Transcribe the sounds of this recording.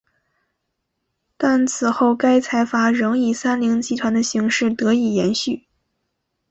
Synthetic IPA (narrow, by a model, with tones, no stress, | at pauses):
t̪a˥˩nt͡sʰɹ̩˨˩xo˥˩ʊka˥ɪt͡sʰa˧˥ɪfa˧˥ɻɤ˧˥ŋi˨˩sa˥nli˧˥ŋt͡ɕi˧˥t̪ʰwa˧˥nd̪ə˧ɕi˧˥ŋʂɻ̩˥˩t̪ɤ˧˥i˨˩jɛ˧˥nɕy˥˩